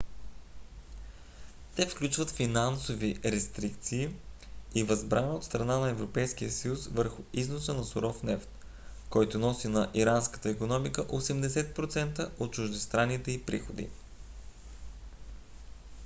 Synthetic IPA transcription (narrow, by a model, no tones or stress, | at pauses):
t̪ɛfklʲut͡ʃvət̪finansoviɾɛst̪ɾikt̪siː | ivɐzbɾanot̪st̪ɾɐnanɐɛvɾopɛjsk̟ijəsəjusvəɾxʊiznosənɐsʊɾɔfnɛft̪ | kɔjt̪ʊnɔsinɐʔiɾanskə̥t̪əikonɔmikəʔosɛmd̪ɛsɛt̪̚pɾot̪sɛnt̪əʔot̪̚t͡ʃʊʒd̪ɛst̪ɾanit̪ɛipɾḭxod̪ḭ